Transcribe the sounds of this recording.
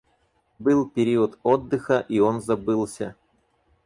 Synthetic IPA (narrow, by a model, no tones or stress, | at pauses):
bɨlˠpʲɪɾʲiʊt̪od̪ːɨxəʔio̞nzɐbɨlˠsʲə